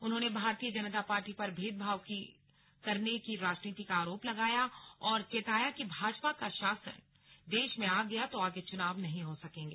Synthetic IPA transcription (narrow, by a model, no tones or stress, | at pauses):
ʊnɦõːnebʱaːɾt̪ijəd͡ʒɐnt̪apaːɾʈipɐɾbʱeːd̪̚bʱaːʋki | kɐɾnekiɾaːd͡ʒniːt̪ikaaːɾoːplɐɡaːjaɔːɾt͡ʃet̪aːjakibʱaːd͡ʒpakaʃaːsə̰n | d̪eːʃmẽaːɡɐjat̪oaːɡet͡ʃʊnaːʋnɐɦĩɦosɐkẽːŋɡeː